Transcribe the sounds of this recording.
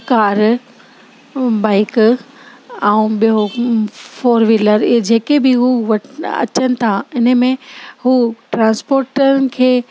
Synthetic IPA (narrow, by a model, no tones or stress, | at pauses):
kaːɾ | baːɪk | ɛũɓijo | foːɾʋɪləɾd͡ʑeːkebɪɦuʋɐʈɐ̰t͡ɕənɪ̆t̪ʰaɪnə̆mẽɦuːʈɾãːnspoːɾʈəɾənɪ̆kʰeː